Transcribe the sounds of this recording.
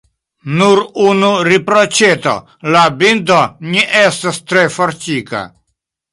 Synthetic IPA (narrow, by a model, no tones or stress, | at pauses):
nuɾunuɾipɾot͡ʃet̪o̰ | labindoniʔestast̪ɾefoɾt͡ʃika̰